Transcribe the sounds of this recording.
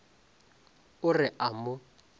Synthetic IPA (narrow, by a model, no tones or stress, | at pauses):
ʊrɪʔamʊ